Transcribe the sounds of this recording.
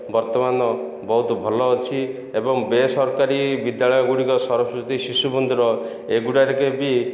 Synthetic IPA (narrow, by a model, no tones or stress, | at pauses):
bɔɾt̪ɔmanɔ | bɔɦut̪ɔbʱɔlɔːt͡ʃʰi | ebɔŋbesɔɾɔkaɾibid̪jaɭɔjɔɡuɽikɔsɔɾɔsut̪isisubɔnd̪uɾɔ | eɡuɽaɾekebi